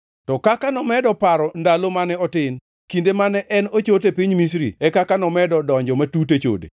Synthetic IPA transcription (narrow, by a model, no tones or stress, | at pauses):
tɔkakanɔmɛdɔpaɾɔndalomanɛɔtɪn | kindemanɛʔɛnot͡ʃotepiɲmis̬ɾḭɛkakanɔmɛdɔdɔɲd͡ʒɔmatut̬et͡ʃo̰dḛ